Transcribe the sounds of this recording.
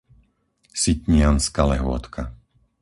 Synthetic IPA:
sitɲɪanskalɛɦʊɔ̰t̪kʰa

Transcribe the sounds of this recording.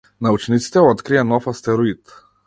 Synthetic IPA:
naut͡ʃnit̪si̥t̪ɛɔt̪kɾijanɔfast̪ɛɾɔit̪

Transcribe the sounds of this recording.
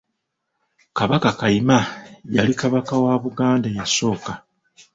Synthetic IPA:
kaβakakaimajalikaβakawaβuɡaːndajaso̞ːka

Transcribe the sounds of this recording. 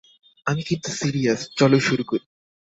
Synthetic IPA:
amikint̪u̥siɾiɐst͡ɕɔloʃuɾukoɾi

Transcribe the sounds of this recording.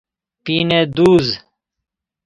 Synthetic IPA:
piːned̪uːz

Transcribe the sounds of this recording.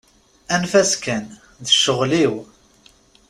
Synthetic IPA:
ænfæskæn | ðəʃːəʁliw

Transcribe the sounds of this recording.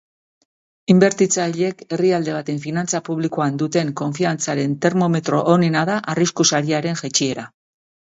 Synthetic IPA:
imbe̞ɾt̪it͡saʎe̞ke̞riald̪e̞β̞at̪e̞ɱfinant͡sapuβlikoand̪ut̪e̞ŋko̞ɱfiant͡saɾe̞nt̪e̞ɾmo̞me̞t̪ɾo̞ʔonenaðaʔariskusaɾiaɾe̞ŋʝet͡ʃie̞ɾa

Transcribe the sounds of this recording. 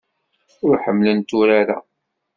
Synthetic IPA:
ʊɾħəmːlənt̪ːuɾaɾa̰

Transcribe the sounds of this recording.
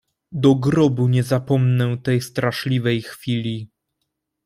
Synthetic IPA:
d̪ɔɡɾɔbuɲɛzapɔmnɛwt̪ɛjst̪ɾaʂlʲivɛjxfʲilʲi

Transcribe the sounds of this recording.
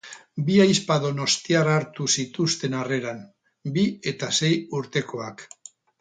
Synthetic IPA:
biajspaðo̞no̞st̪iaraɾt̪usit̪ust̪e̞nare̞ɾan | bie̞t̪ase̞juɾt̪e̞ko̞ak

